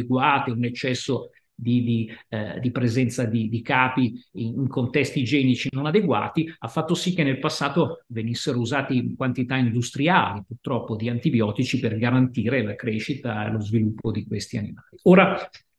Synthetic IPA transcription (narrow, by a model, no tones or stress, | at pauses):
eɡwaːt̪eunet͡ʃːɛsːo | d̪id̪id̪ipɾezɛnt̪sad̪id̪ikaːpiiiŋkont̪ɛst̪id͡ʒɛːnit͡ʃinonad̪eɡwa̰ːt̪iafːat̪ːosikːenːelpasːaːt̪ovenisːeɾouzaːt̪iŋkwant̪it̪aind̪ust̪ɾia̰ːlipurt̪ɾɔpːod̪iant̪ibjɔːt̪it͡ʃiperɡaɾant̪iːɾelakɾeʃit̪aḛlozvilupːod̪ikwest̪ianimaːlioːɾa